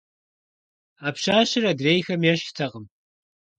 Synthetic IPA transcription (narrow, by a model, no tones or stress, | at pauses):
aːpɕaːɕɪradreːjxɐmjɛɕtʰɐqəm